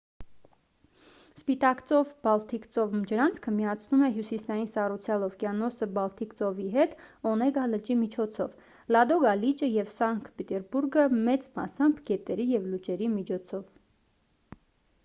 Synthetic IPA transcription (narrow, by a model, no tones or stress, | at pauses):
spit̪ɑkt͡sɔvbɑlt̪ʰikt͡sɔvmd͡ʒəɾɑnt͡sʰkʰəmijɑt͡sʰnumɛɦjusisɑjinsɑrut͡sʰjɑlɔvkjɑnɔsəbɑlt̪ʰikt͡sɔviɦɛt̪ɔnɛɡɑlət͡ʃimit͡ʃʰɔt͡sʰɔv | lɑd̪ɔɡɑlit͡ʃəjɛvsɑŋkʰpɛt̪ɛɾbuɾɡəmɛt͡smɑ̰sɑmbɡɛt̪ɛɾijɛvlut͡ʃɛɾimit͡ʃʰɔt͡sʰɔv